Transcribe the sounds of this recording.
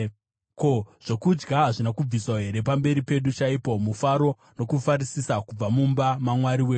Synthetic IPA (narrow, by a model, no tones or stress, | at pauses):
ko̞ʐ̥o̞kud͡ʒɡaɦaʐinakub͡viswaɦe̞ɾe̞pambe̞ɾipe̞ɗut͡ʃaipo̞mufaɾo̞ | no̞kufarisisakub͡vamumbamamwaɾiweː